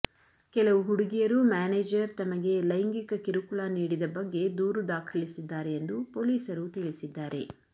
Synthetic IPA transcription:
kɛlɐʋuɦuɽuɡijɐɾumaːneːd͡ʒɐɾt̪ɐmɐɡe̞lɐjŋɡikɐkiɾukuɭaniːɽid̪ɐbɐɡːe̞d̪uːɾud̪aːkʰɐlisid̪ːaːɾe̞ːnd̪upo̞ːliːsɐɾut̪iɭisid̪ːaːɾe̞̰

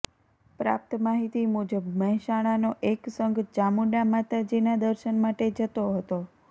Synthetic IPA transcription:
pɾa̰p̚t̪əmaɦit̪imud͡ʒəbməɦɛʃaɽ̃anoʔeksəŋɡd͡ʒamuɖamat̪ad͡ʒenad̪əɾʃənmaʈed͡ʒət̪oɦət̪o

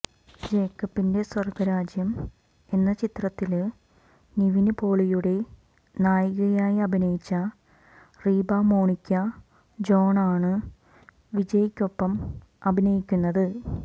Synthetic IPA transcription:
d͡ʑe̞ːkːɐpːinde̞sɐrkʋɐɾaːd͡ʑjɐm | e̞nːɐt͡ɕit̪rɐt̪ːil | niʋinɨbo̞ːɭijuɽe̞ | naːjiɣɐjaːjiɐbʱinɐjit͡ɕːɐ | riːbaːmo̞ːɳikʲːɐ | d͡ʑo̞ːɳaːɳɨ | ʋid͡ʑɐjikʲːo̞pːɐm | ɐbʱinɐjikʲːunːɐðɨ

